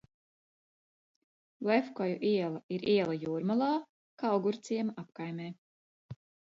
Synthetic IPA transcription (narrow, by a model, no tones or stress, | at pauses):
lɛfkɔjuʔiɛlˠaiɾiɛlˠajuːɾmalˠaː | kawɡuɾt̪siɛmaʔapkajmɛː